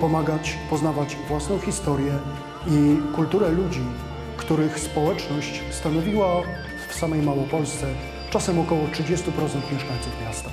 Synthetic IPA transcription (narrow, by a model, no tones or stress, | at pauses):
pɔmaɡat͡ɕpɔznavat͡ɕvwasnɔ̃w̃xʲist̪ɔɾʲjɛ | ikult̪uɾɛlud͡ʑi | kt̪uɾɘxspɔwɛt͡ʂnɔɕt͡ɕ | st̪anɔvʲiwa | fsamɛjmawɔpɔlst̪sɛ | t͡ʂasɛmɔkɔwɔtʂɘd͡ʑest̪upɾɔt̪sɛnt̪mʲjɛʂkaɲ̃t̪sufmʲjast̪a